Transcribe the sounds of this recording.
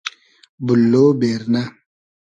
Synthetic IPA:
bulːobeɾna

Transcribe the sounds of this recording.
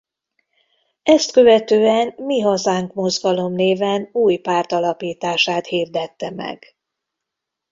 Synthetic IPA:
ɛst̪kø̞vɛt̪øːɛnmiɦɒzaːŋkmo̞zɡɒlo̞mneːvɛnuːjpaːrt̪ɒlɒpiːt̪aːʃaːt̪hiːrd̪ɛt̪ːɛmɛ̰ɡ̥

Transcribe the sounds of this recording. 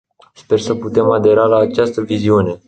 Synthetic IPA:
spe̞rsəput̪e̞mad̪e̞ɾalaːt͡ʃast̪əviziune̞

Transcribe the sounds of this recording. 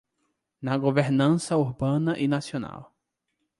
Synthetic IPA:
nɐɡoveɾnɐ̃sɐuɾbɐ̃nɐʔinasiona̰w

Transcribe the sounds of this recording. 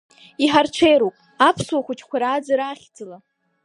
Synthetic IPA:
iħart͡ʃʷʰejɾopʼ | apʰswaχʷut͡ʃʰkʷaɾaːd͡zaɾaχʲd͡zʰɨla

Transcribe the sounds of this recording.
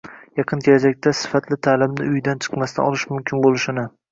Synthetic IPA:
jɑqʰɨnt̪ʰelad͡ʒak̚ʲt̪ʰasɪ̥fat̪ʰlɪt̪ʰaːlɪmɪʊjd̪ant͡ʃʰɨ̥qmast̪a̰ɒlˠɪʃmʊmkʲʰɪnbolˠɪʃɪnɪ

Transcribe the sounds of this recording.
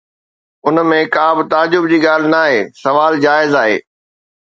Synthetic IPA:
ʊnmẽkaːbɪt̪aːd͡ʑʊbd͡ʑiːɠaːl̤ɪnaːɦeːsɐʋaːld͡ʑaːɪzaːɦḛː

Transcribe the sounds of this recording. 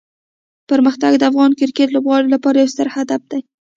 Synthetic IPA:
pəɾməxt̪aɡd̪əafɣɑnkɪɾket̪lobɣɑɾilapɑɾajawst̪əɾhad̪af̚d̪̥aj

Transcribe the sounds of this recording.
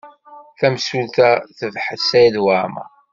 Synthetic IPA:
θæmsulθæθəvħəsæjðwaʕma̰

